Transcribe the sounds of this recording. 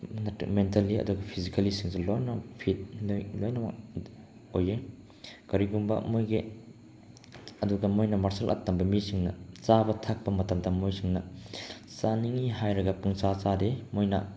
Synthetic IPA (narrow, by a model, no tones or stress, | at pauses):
ntmentaliɐ̰duɡɐpʰizikalisiŋsilojnɐpʰit̚lojnɐma̰ | oje | kɐɾiɡumbɐ̰mojɡe | ɐduɡɐmojnɐmaɾsɐlʔɐ̰tːɐmbɐmisiŋnɐ̰t͡ʃabɐtʰak̚pɐmɐtɐmtɐmːojsiŋnɐ | saniŋiɦajɾɐɡɐpuŋt͡ʃat͡ʃademojnɐ̰